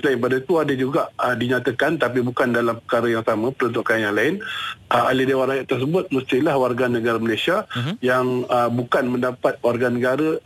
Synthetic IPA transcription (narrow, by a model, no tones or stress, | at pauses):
səlaɪnpadait̪uadəd͡ʒuɡaʔədiɲat̪əkant̪ap̬ibukandalampəkaɾəjaŋsamãpəɾənt̪ʊʔkanjaŋlaɪnʔəalidewaɾajaʔt̪ərs̬əbʊt̪̚məst̪ilahwarɡanəɡaɾəməlasiajaŋəbukanmə̃ndapat̪̚warɡanəɡaɾə